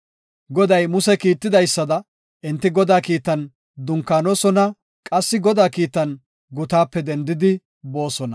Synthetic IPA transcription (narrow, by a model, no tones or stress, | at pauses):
ɡɔd̪ɐjmʊsɛkiːt̪ːɪd̪ɐjsːɐd̪ɐ | ʔɪnt̪ːɪɡɔd̪aːkiːt̪ːɐn | d̪ʊŋkːaːnosɔnɐ | kʼɐsːɪɡɔd̪aːkiːt̪ːɐn | ɡʊt̪aːpːɛd̪ɛnd̪ɪd̪ɪ | bo̞ːsɔnɐ